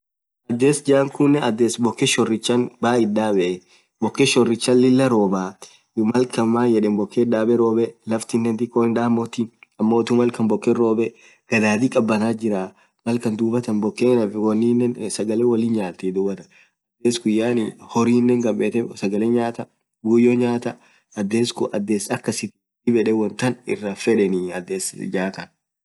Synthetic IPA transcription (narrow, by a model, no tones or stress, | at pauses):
ʔɐd̪ːeːsd͡ʒaːŋkʊnːɛɐd̪ːeːsbɔkːɛʃɔrɪt͡ʃːɐnbaːɪdaːbɛʔ | bɔkːeʃɔrːɪt͡ʃːɐlːɪlːɐɾo̞ːbaː | mɐlkɐmaːjɛᶑɛnbɔkːeᶑaːbɛɾo̞ːbɛlɐft̪ɪnːɛnt̪ɪkːoɪnᶑaːmːoːt̪inɐmːoːt̪ʊmɐlkɐnbɔkːɛɾo̞ːbɛ | ɡ̥ɐd̪aːt̪ikʼɐbːɐnaːd͡ʒɪɾaː | mɐlkɐnd̪uːbɐt̪ɐnbɔkːeːnɐfwɔnːinːɛnsɐɡɐleːwɐliːnɲaːt̪ːed̪uːbɐt̪ɐ̥ | ɐd̪ːeːsɡʊjːaːnɪhɔɾiːnːɛŋɡɐbeːt̪ɛsɐɡɐleːɲaːt̪ɐ | ɡʊjːoːɲaːt̪ɐ | ʔɐd̪ːeːskʊʔɐd̪ːeːsɐkːɐsɪt̪ɪ | ɪbɛᶑɛwɔnt̪ɐnɪ̰rːɐfɛᶑɛnɪɐd̪ːeːsd͡ʒaːk̪ɐn